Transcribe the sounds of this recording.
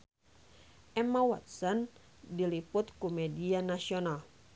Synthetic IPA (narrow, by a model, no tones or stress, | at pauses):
ʔɛmawa̰t̪̚sɔn | dilipʊt̪kumɛdianasiɔnal